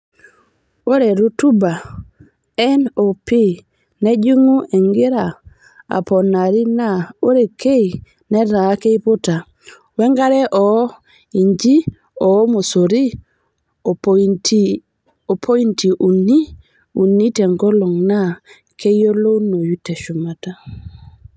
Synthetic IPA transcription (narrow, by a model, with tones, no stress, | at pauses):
o˦ɾe˨ɾu˦tu˦ba˨ | ɛ˦no˨pi˦ | ne˦d͡ʒi˦ŋu˦ʔe˨ŋɡi˦ɾa˨ | a̰˨po˨na˨ɾi˦na˦o˦ɾe˨ke˦i˨ | ne˦ɾa˨˦ke˦i˦po˦ta˨ | we˦ŋɡa˦ɾe˦ʔɔ˨˦ | i˨ɲd͡ʒi˦ | ɔ˨˦mo˨so˨ɾi˦˨ | pt | o˨pʰo˦i˦nti˨ʔu˨ni˦ | u˨nːi˦tɛ˨ŋɡɔ˦lo˨ŋna˦ | ke˦jo˦lo˦no˨ju˦te˨ʃu˨ma˨ta˦